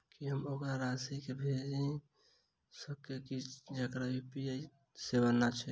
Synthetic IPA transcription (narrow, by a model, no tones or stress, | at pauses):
kiɦəmokɾaɾasikebʱed͡ʒĩ | səb̚kekid͡ʒekɾaupiai | sebanːat͡ʃʰɛ